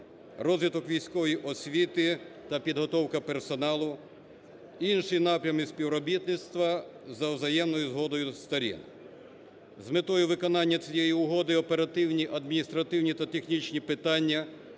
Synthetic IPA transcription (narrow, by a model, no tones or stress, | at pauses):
rɔzʲʋʲit̪ɔkʋʲijsʲkɔʋɔjiʔɔsʲʋʲit̪ɪt̪ɐpʲid̪ɦɔt̪ɔwkɐpersɔnɑlˠʊ | inʃinɑpɾʲɐmɪsʲpʲiwɾɔbʲit̪nɪt̪st̪ʋɐzɐwzɐjɛmnɔjʊzɦɔd̪ɔjʊst̪ɐɾʲḭn | zmɪt̪ɔjʊʋɪkɔnɑnʲːɐt͡sʲijɛjiʊɦɔd̪ɪɔpeɾɐt̪ɪwnʲiʔɐd̪mʲinʲist̪ɾɐt̪ɪwnʲit̪ɐt̪exnʲit͡ʃnʲipɪt̪ɑnʲːɐ